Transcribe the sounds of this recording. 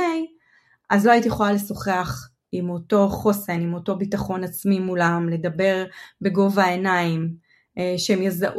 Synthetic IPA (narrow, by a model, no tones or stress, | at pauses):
ej | ʔazlo̞ajitijeχo̞lale̞so̞χe̞aχ | imo̞to̞χosenimo̞to̞bitaχo̞nat͡smimulamle̞dabe̞ʁbe̞ɡo̞vaenaim | eʃeemjazaʔ